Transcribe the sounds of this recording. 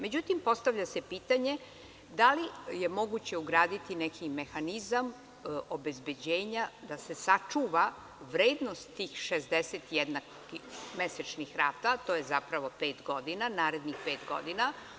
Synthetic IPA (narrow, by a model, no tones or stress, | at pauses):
me̞d͡ʑut̪impo̞st̪aʋʎase̞piːt̪aɲe̞ | d̪alije̞mo̞ɡut͡ɕe̞uɡɾaːd̪it̪inekʰime̞xanizam | o̞be̞zbe̞d͡ʑe̞ːɲad̪ase̞sat͡ʂuʋa | ʋɾeːd̪no̞st̪ːiːxʃezd̪eset̪jed̪nak | imeset͡ʃnixɾaːt̪at̪ojezapɾaʋo̞peːt̪ɡo̞d̪inanaːɾe̞d̪nixpeːt̪ɡo̞̰d̪ina